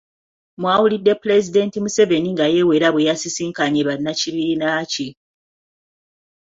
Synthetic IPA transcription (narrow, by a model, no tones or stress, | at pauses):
mwaːwulidːe̞pule̞zide̞ntimuse̞ve̞niŋɡaje̞we̞ːɾaβwejasisiːŋkaɲeβanːaciβiːnaci